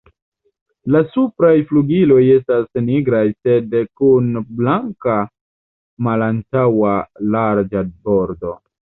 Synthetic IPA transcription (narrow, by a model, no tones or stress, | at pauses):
lasupɾajfluɡilo̞je̞stasniɡɾajse̞dkunblaŋka | malantawalaɾd͡ʒabo̞ɾdo̞̰